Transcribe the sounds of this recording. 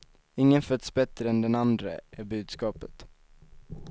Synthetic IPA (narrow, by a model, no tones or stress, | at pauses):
ɪŋːənfœt̪sbɛt̪ɾəɛnd̪ɛnand̪ɾə̰ʔæbʉ̟ːd̪skɑːpət̪